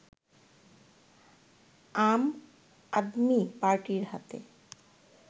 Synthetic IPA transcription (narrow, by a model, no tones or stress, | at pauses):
am | ad̪mipaɾʈiɾhat̪ḛ